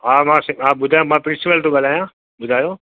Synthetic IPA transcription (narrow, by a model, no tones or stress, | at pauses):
ɦaːmãːsɪ̃aːɓʊd̪ʱaːjõmãːpɾɪ̃siʋəlt̪ũɡəlaːjãː | ɓʊd̪ʱaːjoː